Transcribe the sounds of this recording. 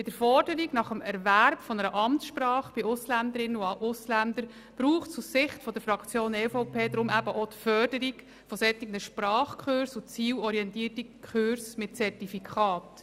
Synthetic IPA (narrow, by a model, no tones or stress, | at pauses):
pɪd̥əɾfɔɾd̥əɾiɡnɑχəmɛɾvæɾb̥fɔnəɾəʔɑmtsʃprɑːχb̥ɪʊslænd̪əɾɪnəuɑʔʊslænd̪əɾ | b̥ɾuːχtsussɪχtfɔd̥̪əɾfɾɑkt͡sjoːnɛfoʊpʰeːd̪ɾʊmæbəʔɔt̪fœrd̥əɾiɡ | fɔsɛtːɪɡnəʃpɾɑːχkʰχøɾsʊt͡siːwɔɾiɛntiːrtikʰχøɾsmɪtt͡sɛrtifikʰɑːt